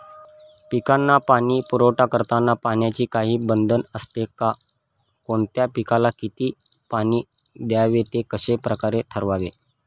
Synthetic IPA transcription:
pikanːapaniːpuɾowʈakəɾt̪anːapaɳjat͡ɕiːkaɦiːbənd̪ʱənəst̪eka | koɳt̪japikalakit̪iː | paniː | d̪jaʋet̪ekəɕepɾəkaɾeʈʰəɾʋaʋe

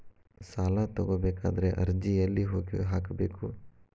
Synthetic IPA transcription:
saːlat̪ɐɡoːbeːka̰ːd̪ɐɾeʔɐɾd͡ʒiɐlːiɦoːɡiɦaːkbeːku

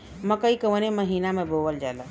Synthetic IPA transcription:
məkəikəʋəneməɦiːnamẽbʱoʋəld͡ʒaela

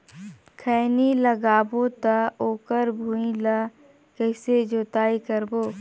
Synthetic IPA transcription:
kʰɛːniləɡaːbot̪aoːkəɾbʱuːĩla | kəɪsed͡ʒoːt̪aːikəɾboː

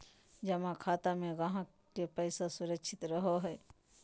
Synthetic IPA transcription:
d͡ʒɐmãkʰaːt̪amẽɡaɦã | kepəɪsasʊɾəkʃʰɪt̪ɾəɦoɦɛː

